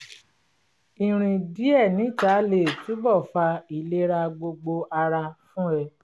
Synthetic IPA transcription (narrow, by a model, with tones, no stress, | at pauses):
ĩ˨ɾ̃ĩ˧di˨˦ɛ˦˨nĩ˨˦˨ta˨˦le˦˨ti˨˦bɔ˦˨fa˧i˨le˦ɾa˧ɡ͡bo˧ɡ͡bo˧ʔa˧ɾa˧fũ˦ɛ˧